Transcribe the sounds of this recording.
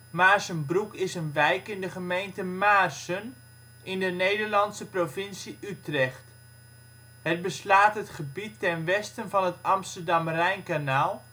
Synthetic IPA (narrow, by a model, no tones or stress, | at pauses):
maːɹsənbrukɪsənʋɛjkɪndəχəmejntəmaːrsən | ɪndənejdəɹlɑntsəprovɪnsiʔytrɛχt | ɦət̚bəslaːtɦətχəbitːɛnʋɛstənvɑnɦətɑmstəɹdɑmrɛjnkanaːlˠ